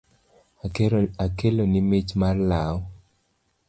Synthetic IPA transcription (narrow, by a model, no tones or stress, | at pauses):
akelonimit͡ʃmarlaɔ